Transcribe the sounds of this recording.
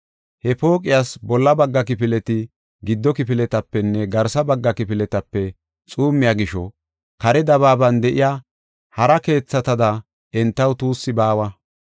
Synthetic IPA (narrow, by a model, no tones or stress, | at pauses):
hɛpo̞ːkʼɪjasbɔlːɐbɐɡːɐkɪpɪlɛt̪ɪ | ɡɪd̪ːɔkɪpɪlɛt̪ɐpːɛnːɛɡɐɾsɐbɐɡːɐkɪpɪlɛt̪ɐpːɛ | t͡sʼuːmːɪjaːɡɪʃɔ̰ | kɐɾɛd̪ɐβaːbɐnd̪ɛʔɪjaː | hɐɾɐke̞ːt͡sːɐt̪ɐd̪ɐ | ɛnt̪ːɐwt̪uːsːɪbaːwɐ